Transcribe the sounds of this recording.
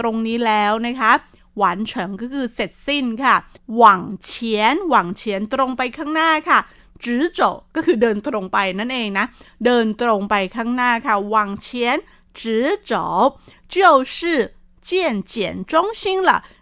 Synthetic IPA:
ɾo˧ŋniː˦˥lɛː˦˥wna˦˥kʰa˦˥ | wa˨˩˦nt͡ɕʰɤ˩˦ŋkɔː˥˩kʰɯː˧se˨˩t̪̚si˥˩nkʰa˥˩ | wa˨˩˦ŋt͡ɕʰi˦˥ənwa˨˩˦ŋt͡ɕʰi˦˥ənt̪ɾo˧ŋpa˧jkʰaː˥˩ŋnaː˥˩kʰa˥˩ | t͡ɕɯː˦˥t͡ɕo˨˩p̚kɔː˥˩kʰɯː˧dɤː˧nt̪ɾo˧ŋpa˧jna˥˩nʔeː˧ŋna˦˥dɤː˧nt̪ɾo˧ŋpa˧jkʰaː˥˩ŋnaː˥˩kʰa˥˩wa˨˩ŋt͡ɕʰi˦˥ən | t͡ɕɯː˦˥t͡ɕɔː˩˦p̚ | t͡ɕi˥ə˨wsɯː˥˩ | t͡ɕi˥˩ənt͡ɕi˨˩ənt͡ɕɔ˦˥˩ŋt͡ɕʰi˥˩ŋla̰˧˩

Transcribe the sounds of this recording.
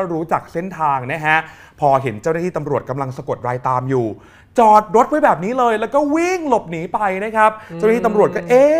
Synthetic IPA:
ɾuː˦˥t͡ɕaː˨˩k̚se˥˩nt̪ʰaː˧ŋna˦˥kʰa˦˥ʔ | pʰɔː˧ɦe˩˦nt͡ɕa˥˩naː˥˩iː˥˩t̪a˧mɾu˨˩ət̪̚ka˧mla˧ŋsa˧ko˨˩t̪̚ɾaː˧jt̪aː˧mjuː˨˩ | t͡ɕɔː˨˩t̪̚ɾo˦˥t̪̚wa˧jbɛː˨˩p̚niː˦˥lɤː˧jlɛː˦˥wkɔː˥˩wi˥˩ŋlo˨˩p̚niː˩˦pa˧jna˦˥kʰa˦˥p̚t͡ɕa˥˩wa˥iː˥˩a˧mɾu˨˩ət̚kɔː˥˩ʔeː˧

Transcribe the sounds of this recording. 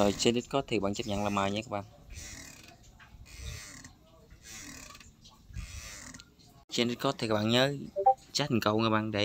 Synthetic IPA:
o˨˩jt͡ɕe˧nɗi˦˥t̚kɔ˨˦t̪ʰa˦˩ɓa̰ː˧˨˧t͡ɕə˦˥p̚ɲa̰˧˨ŋlaː˨˩maː˨˩jɲa˧˦kaː˦˥p̚ɓa̰ː˧˨n | t͡ɕe˧nɗi˦˥t̚kɔ˨˦t̪ʰe˨˩kaː˦˥ɓaː˧˨ɲəː˨˦t͡ɕa˦˥t̚i˨˩ŋkə˧wŋaː˨˧˦ɓa̰ː˧˨nɗə˨˧˨

